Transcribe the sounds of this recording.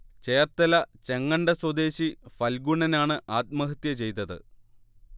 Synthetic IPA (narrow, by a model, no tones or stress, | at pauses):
t͡ɕeːrt̪ːɐlɐt͡ɕe̞ŋːɐɳɖɐswɐd̪e̞ːɕifɐlɡuɳɐnaːɳɨʔaːt̪̚mɐɦɐt̪jɐt͡ɕe̞jt̪ɐðɨ̰